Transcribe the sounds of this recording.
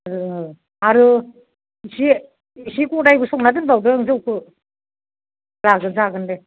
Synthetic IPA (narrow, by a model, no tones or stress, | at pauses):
aɾɯɯ | aɾɯ | si | sikudajbɯsɔŋnadɯnbawdɯŋzɯwkʰɯ | laɡɯnzaɡɯnde